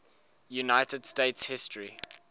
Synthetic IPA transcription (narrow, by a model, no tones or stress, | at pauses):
junaɪtəd̥steɪtshɪstɹi